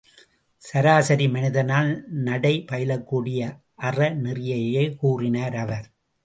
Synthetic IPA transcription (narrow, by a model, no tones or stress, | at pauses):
sɐɾaːsɐɾimɐnɪðɐnaːlnɐɽɐɪpɐjɪlɐkːuːɽɪjɐ | ʔɐrɐnɪrɪjɐjɐɪkuːrɪnaːɾɐʋɐɾ